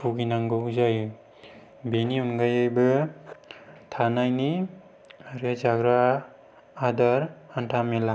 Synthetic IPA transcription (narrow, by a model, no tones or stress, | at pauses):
puɡinaŋɡɯuzajɯ | beniunɡajɯjbɯ | tʰanajni | aɾezaɡɾaː | daɾantʰamela